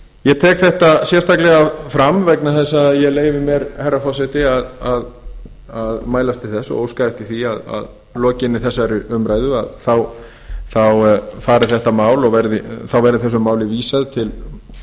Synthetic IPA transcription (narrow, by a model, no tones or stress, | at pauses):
jɛt̪ʰɛːkθɛht̪asjɛrst̪aklɛɣafɾamvɛknaθɛsːaðjɛɣleːjvɪmjɛɾhɛjɾːafɔsɛt̪ɪaðað | aðmaːjlast̪ɪθɛsːɔ̰owskaht̪iθiaða̰ð | lɔːcɪnːɪθɛsːaɾɪʏmɾaːjðʏa̰ðθaw | θawfaːɾɪθɛht̪amaːwlɔɣvɛɾðɪθawvɛɾðɪθɛsːʏmaːwlɪviːsaðt̪ʰɪl